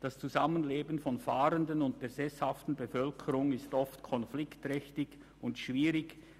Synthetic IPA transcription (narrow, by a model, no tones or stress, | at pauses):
d̥ast͡suzamənleːbn̩fɔnfaːɾəndənʊnt̚d̥eːɐzɛshaftn̩bəfœlkʰəɾʊŋɪstɔftkʰɔnflɪktʁɛçtɪç | ʊntʃv̥iːɾɪç